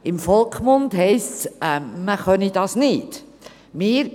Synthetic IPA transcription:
ɪmfɔlˠkχmʊndɦɛɪst͡sɛməχœnid̥ɑːsnɪːt | mɪːɾ

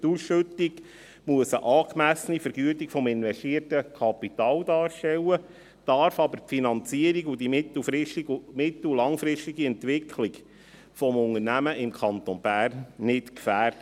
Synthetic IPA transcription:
tusʃɵtːɪɡ | muəsəʔɑːkmæsənifəɾɡyətikfɔmɪnvɛʃtiərtəkʰɑpit̪ɑːld̪ɑːʃtɛwə | d̥ɑɾfɑbəɾpfinɑnt͡siəɾiɡʊd̥imɪtl̩fɾɪʃtmɪt̪l̩lɑŋfɾɪʃtiɡiɛntʋɪkʰlɪɡ | fɔmʊŋərnæməʔɪmkʰɑnt̪onb̥æːrnːɪtkfæːrd̥ə

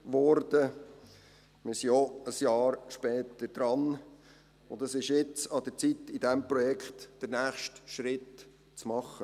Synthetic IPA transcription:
ʋɔɾdə | mɪsiɔəsjɑːɾʃpɛːt̪əɾd̥̪ɾɑn | ʊnd̪əsɪʃjɪt͡sɑd̥̪əɾt͡sitɪdɛmpɾɔjɛkχtd̥əɾnæːχʃtʃɾɪt | t͡smɑχə

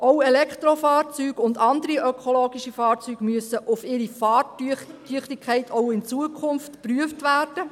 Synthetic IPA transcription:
ʔowɛlɛkt̪ɾofɑːɾt͡syːɡʊndɑndəɾiʔœkʰoloːɡiʃifɑːɾt͡syːɡ̥myəsəʔʊfɪɾifɑːytyəχtɪkʰχɛɪtʰoʊɪnt͡suəkʰχʊnftpryəftʋæːrd̥ə

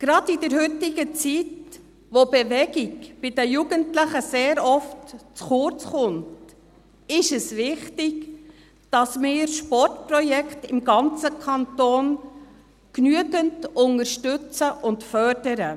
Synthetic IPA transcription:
ɡ̥ɾɑdidɛɾɦʏtɪɡət͡sit | ʋobɛʋɛɡɪɡb̥ɪdəjuɡəntləχəseːɾɔftt͡sχʊɾt͡sχʊnt | ɪʃɛsʋɪχtɪɡ | d̥ɑsmɪːɾʃpɔrtpɾɔjɛkʰtɪmɡɑnt͡səkʰɑntoːn | knyəɡəntʊŋəɾʃtʏt͡səʔʊntfœɾd̥əɾə

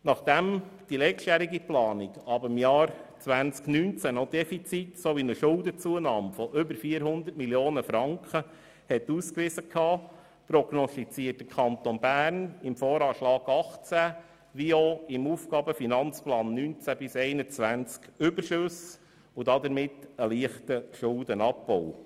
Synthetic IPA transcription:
nɑχd̪̥ɛmd̥ilɛt͡ʃtjæɾiɡiplɑːniɡɑbɪmjɑːɾt͡sʋænt͡sknynt͡sænɔdɛfit͡sitsoʋinəʃʊlˠdət͡suənɑːmfɔʔʏbəɾfiːəɾɦʊnd̪əɾt̚miljoːnəfɾɑŋkχə | hɛtuːskʋɪzəkʰɑː | pɾɔɡnɔst̪it͡siət̚dəkʰɑnt̪onbæːɾnɪmfɔːɾɑːʃlɑːɡ̥ɑχt͡sæ | ʋioɪmuːfkɑːbəfinɑnt͡splɑːnːynt͡sæbɪsɛɪnət͡sʋænt͡skʏbəɾʃʉs | ʊdɑd̪əɾmɪtəliəχtəʃʊldənɑpbɔw

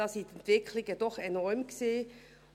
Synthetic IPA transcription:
ɑːsint̪ɛnt̪v̥ɪkʰlɪɡəd̥ɔχɛnɔɾmkseː

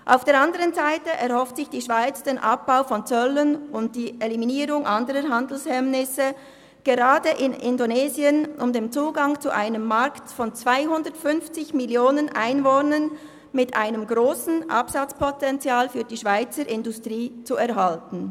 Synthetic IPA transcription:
ʔa̰ʊfd̥eːɐɾɑndəʁənzaɪtəʔɛʁhɔftsɪçd̥iːʃv̥aɪt͡sd̥eːnʔap̚b̥aʊfɔnt͡sœlənʊnt̚d̥iːʔeliminiːʁʊŋʔɑndəʁəɦandl̩shɛmnɪsə | ɡ̥eʁaːdəʔɪnɪndoneːziənʔʊmdeːmt͡suːɡɑŋt͡suʔaɪnəmːaɾktfɔnt͡sv̥aɪɦʊndətfʏnft͡sɪçmɪljoːnənʔaɪnvoːnən | mɪtʔa̰ɪnəmɡʁoːsn̩ʔɑ̰psɑt͡spʰɔtɛnt͡sjaːlfyːɐdiːʃv̥aɪt͡səɾʔɪndʊstʁ̥iːt͡suɛʁɦaltn̩

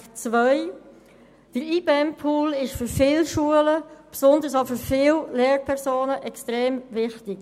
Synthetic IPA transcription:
t͡svœɪ | d̥əiːbɛmpʰuːlɪʃfyfɪːlʃuələpsʊndəsafyɾfɪːlleːɾpʰɛʁsoːnəʔɛkstʁeːmvɪχtɪk

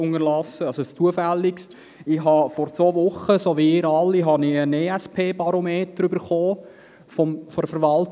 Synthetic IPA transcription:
ʊŋəlɑsːəɑsost͡suəfɛlːɪkst | ɪɦɑfɔɾt͡sʋoːvʊχəsoːʋiɪɾɑlːiɦɑniəneːɛspʰeːbɑɾomeːtəɾybəɾχoː | fɔmfɔɾfəɾʋɑlt

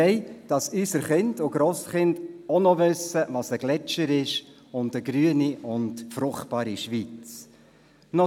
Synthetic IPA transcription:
ɛɪd̥ɑsysəɾχɪndʊɡ̥ɾoːsχɪndɔnɔʋɵsəvɑsəɡ̥lɛt͡ʃəɾɪʃ | ʊndəɡɾyəniʔʊndfɾʊχtb̥ɑːɾiʃʋit͡s | nɔ

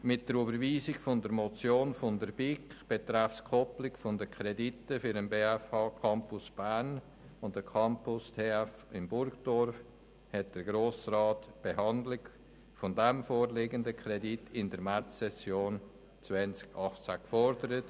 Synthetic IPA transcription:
mɪt̚d̥əɾybəɾviːzɪkfʊndəɾmot͡sjoːnfʊndəɾb̥ɪkχb̥et̪ɾafskʰɔplɪkfʊndəkʰɾɛditəfʏɾənbeːɛfɑːkʰɑmpʊsb̥æɾn | ʊntdəkʰɑmpʊstʰeːæfɪmbʊɾɡd̥ɔɾf | hɛt̚d̥əɾɡɾoːsrɑːtb̥ehɑndlɪɡ | fʊndɛmfoːɾleːɡəndəkʰɾɛditʰɪndəɾmæt͡sːɛsjoːn | t͡svɛnt͡skɑχt͡sækfɔɾdəɾət

